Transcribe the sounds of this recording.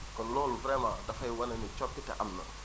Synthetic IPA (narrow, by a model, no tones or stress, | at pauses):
kɔnlɔːluvɾɛmadɐfɐjwɐnɐnit͡ʃɔp̚kitɛ̰ʔɐmːə̰